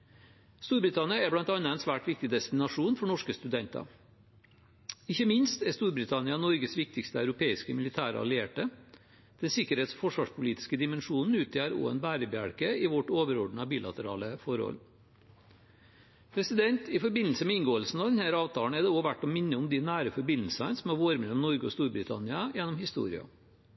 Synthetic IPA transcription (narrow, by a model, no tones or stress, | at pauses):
st̪uːɾbɾɪt̪ʰɑnɪɑɛblɑnt̪ɑnːɑɛnsʋæːʈʋɪk̚t̪ɪd̪ɛst̪ɪnɑʂuːnfɔɳɔʂkəst̪ʉd̪ɛnt̪ɑ̰ | ɪçəmɪnst̪ɛɾst̪uːɾbɾɪt̪ʰɑnɪɑnɔɾɡəsʋɪk̚t̪ɪkst̪əœʉɾʊpʰeːɪskəmɪlɪt̪ʰæːɾə̰ɑ̰lɪeːʈə | d̪̥ɛnsɪkəɾheːt̪sfɔʂʋɑːʂpʰʊliːt̪ɪ̥skəd̪ɪmɛnʂuːnn̩ʉːt̪ʰjæɾo̰ːɛ̰nbæːɾəbəæ̰ɽkəɪʋɔʈoːʋəɾɔɖɳ̩ɑbiːlɑ̰t̪əɾɑ̰ːləfɔɾhɔ̰l | pʰɾɛsɪd̪ɛnt̪ɪfɔɾbɪnl̩səmɛɪnɡoːəlsn̩ɑʋd̪ɛnhæːɾɑːʋt̪ʰɑːɳ̩ɛd̪ɛoːʋæʈːɔmɪnːəʊmd̪ɪnæːɾəfɔɾbɪnl̩sɑnsɔmhɑɾʋoːɾəmɛlːɔmnɔɾɡəɔst̪uːɾbɾɪt̪ʰɑ̰nɪɑjɛnːɔmhɪst̪ṵːɾɪ̰ɑ̰